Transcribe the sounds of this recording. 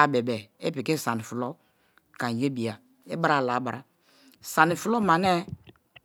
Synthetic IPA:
a˦˨be˨bɛ˨e˦pi˨ke˦sa˨ni˨fu˨lo˦ | ka˨n˨je˦bi˨a˨ | e˦ba˦ɾa˦˨la˨˦ba˨ɾa˨ | sa˨ni˨fu˨lo˦ma˨nɛ˦

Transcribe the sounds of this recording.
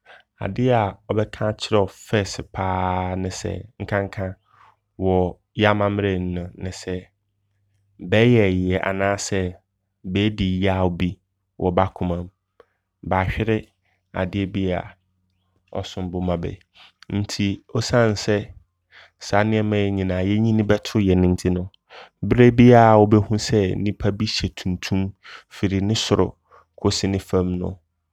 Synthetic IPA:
a̰˨dɪ˦a˨ɔ˨bɛ˦kʰã˦t͡ɕʰɪ˦ɾɛ˦ɔ˨fɛ˦˨sɪ˨pʰaː˦nɪ̃˨sɛ̰˦ŋ̩˦kʰã˦ŋ˦kʰã˦ | wɔ˨ | ja˦mã˦mɪ̃˦ɾe˨n̩˦nʊ̃˨nɪ̃˨sɛ˦ | bɛː˦jɛ˨jɪ˨ɛ˨ʔa̰˨nãː˦sɛ˦ | bɛː˦di˨ja˦˨bi˦ | wʔɔ˨ba˦kʰʊ̃˦mã˦m | ba˨ɕᶣɪ˦ɾɪ˦ | a̰˨dɪ˦ɛ˦bi˦a̰˨ | ɔ̰˨sʊ̃˨m˦bʊ˨mã˨bɛ̰˨ | n̩˦tʰi˨ɔ˦sã˦˨n˨sɛ˦ | sa˨˦nɪ̃˦ɛ˦mã˦ɛ˦ɲĩ˨nãː˨jɛ˦ɲĩ˦nɪ̃˦bɛ˦tʰʊ˦jɛ˨nɪ̃˦n̩˦tʰi˦nʊ̃˨ | bɾe˦bi˦a˨wɔ˦bɛ˦hũ˦sɛ˦nĩ˦pʰa˦bi˦ɕɛ˨tʰũ˨ntʰũ˦mfɪ˨ɾi˨nɪ̃˦sʊ˨ɾʊ̰˨ | kʰʊ˦sɪ˦nɪ̃˦fã˦mnʊ̰̃˨

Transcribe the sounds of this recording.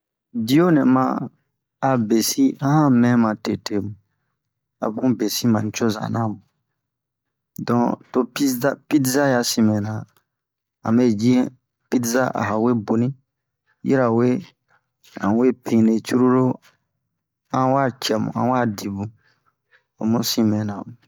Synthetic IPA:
di˦jo˦nɛ̃˨mã˦ | a˨be˨si˦ã˦hã˦mɛ̃˦mã˨te˨te˨mũ˨ | a̰˨bũ˦be˨si˦mã˨˦t͡ʃo˦za̰˨nã˦˨mũ˨ | dɔ̃˨to˦pi˦a˦pi˦tza˦ja˨sĩ˨mɛ̃˨nã˨ | ã̰˨me˦d͡ʒi˦ɛ˦ | pi˦tza˦ʔa̰˨ɦa˨we˦bo˨nĩ˦ | jḭ˦ɾa˨we˦ | ã̰˨we˦pʰĩ˨ne˨t͡ʃu˦ɾu˦ɾo˦ | ã˦wa˦˨t͡ʃɛ˨mṵ̃˨ã̰˦wa˦˨di˨bũ˨ | o̰˨mũ˦sĩ˦mɛ̃˨nã˨mũ˨

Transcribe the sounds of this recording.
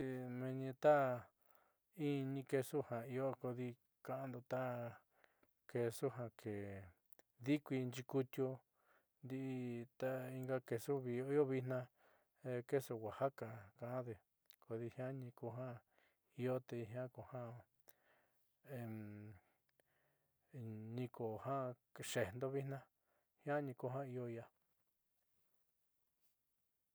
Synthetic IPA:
i˧mẽ˧ɲĩ˧t̪a˦ | i˦˧nĩ˧ke˧su˦hã˨i˧o˦ko˧ði˧ | kã˧ʔã˦nd̪u˧t̪a˦ | ke˧˨su˦ɦã˧kʰe˨ | ði˦kʷi˧nd͡ʒi˧ku˧t̪ʲjo˧ | nd̪i˧ʔt̪a˦i˧ŋɡa˧ke˧su˦βi˧˨o˧˦i˦o˦βi˧nã˧ | e˧ke˦so˧wa˨ha˦ka˨kã˨ʔã˦ðe˧ | ko˨ði˧hj̃ã˦ɲĩ˧ko˧ɦã˦ | i˧o˦t̪e˧ɦj̃ã˦ko˨hã˦ | e˨ | ɲĩ˧ko˨hã˦ʃe˨nd̪o˦βi˦nã˦ | hj̃ã˦ɲĩ˧ko˧ɦã˦i˧o˧ja˧

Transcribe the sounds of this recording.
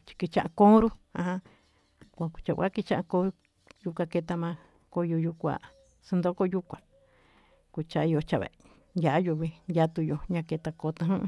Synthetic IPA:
t͡ʃi̥˧ki˧t͡ʃã˧ʔã˧kõ˦ɾu˦ã˧ɦã˧ | kʷa˧ku̥˧t͡ʃa̰˨a̰˦ki˧t͡ʃã˦ʔa˧ko˧˦ɾu˧ | ju˧kʷã˧ke˧t̪a˧mã˧ | ko˧jo˧ju˧kʷa̰˧˨ | si˧nd̪o˦ko˦ju˧kʷã˨ | ku˧t͡ʃa˧i˧o˧t͡ʃa˨βḛ˨ | nja˨ʔjo˧βi˧ndʲja˧t̪u˧jo˨ɲã˧ke˧t̪a˧koː˧t̪ã˧ɦũ˦˧

